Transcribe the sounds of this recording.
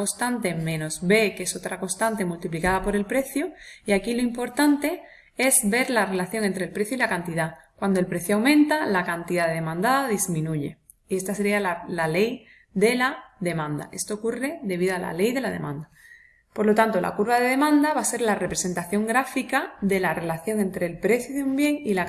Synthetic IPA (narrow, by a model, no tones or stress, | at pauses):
ost̪ant̪e̞mẽ̞no̞zβe̞keeso̞t̪ɾako̞st̪ant̪e̞mult̪iplikaðapo̞ɾe̞lpɾe̞θjoiakilo̞impo̞ɾt̪ant̪e̞ | e̞zbe̞ɾlare̞laθjo̞ŋe̞nt̪ɾe̞lpɾe̞θjoilakant̪iðakwand̪o̞lpɾe̞θjoawmẽ̞nt̪alakant̪iðaðe̞ðe̞mãnd̪aðaðizmĩnuʝe̞ | ie̞st̪ase̞ɾialalale̞j | ðe̞laðe̞mãnd̪a̰ʔe̞st̪o̞ːkure̞ðe̞βiðoala̰le̞jðe̞lað̞e̞̰mãnd̪a | po̞ɾlo̞t̪ant̪o̞lʔa̰kuɾβaðe̞ðe̞mãnd̪aβase̞ɾlare̞pɾe̞sent̪aθjo̞ŋɡɾafikaðe̞lare̞laθjo̞ŋe̞nt̪ɾe̞lpɾe̞θjoðeumbje̞ŋila